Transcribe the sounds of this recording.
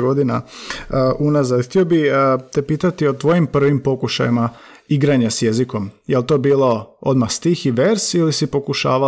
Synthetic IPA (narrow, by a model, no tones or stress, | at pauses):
ɡo̞d̪ina | ʔunazad̪xt̪io̞bit̪epiːt̪at̪iot̪ʋo̞jimpr̩ʋimpo̞kuʃa̰jima | iɡɾaɲasje̞ziko̞mjelt̪o̞biːlˠo̞o̞d̪maxst̪iːxiʋeɾsilisipo̞kuʃa̰ːʋa